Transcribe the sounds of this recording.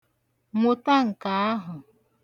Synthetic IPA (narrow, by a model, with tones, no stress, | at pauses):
ŋʷo˨ta˦ŋ̩˨ka˨a˦ɦʊ˨